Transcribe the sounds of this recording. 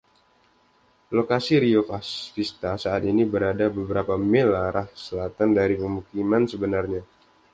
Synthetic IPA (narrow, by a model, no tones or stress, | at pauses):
lokasiɾiofastist̪asaːt̪inibəɾadabəbəɾapamelaɾʔahsəlat̪andaɾipəmukimansəbənarɲa